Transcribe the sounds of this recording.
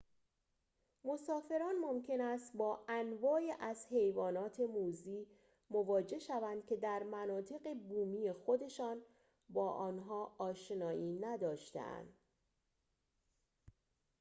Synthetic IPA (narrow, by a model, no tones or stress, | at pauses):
mo̞sɒːfe̞ɾɒːnmomcʰe̞næst̪bɒːʔænvɒːeʔæzhe̞jvɒːnɒːt̪ʰe̞muːziː | mo̞vɒːd͡ʒe̞ʃævænd̪̥̚cʰʲe̞d̪æɾmænɒːt̪ʰe̞ɣe̞buːmiːjexo̞d̪e̞ʃɒːn | bɒːʔɒːnɦɒːɒːʃenɒːʔiːnæd̪ɒːʃt̪ḛʔæ̰nd̪̥